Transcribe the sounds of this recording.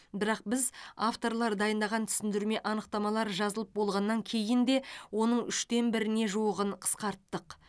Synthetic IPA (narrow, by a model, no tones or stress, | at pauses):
bɪɾɑq̚bɪzaft̪o̞ɾlˠɑɾd̪ɑjənd̪ɑʁɑnt̪ʰʏ̥sɪnd̪ɪɾme̞ʔɑnəq̚t̪ɑmɑlˠɑɾʒɑzəlˠəp̚bo̞lˠʁɑnːɑŋkʲʰe̞jɪnd̪e̞wo̞nəɴʏʃt̪e̞nbɪɾɪne̞ʒuwəʁəɴqʰə̥sqɑɾt̪ːəq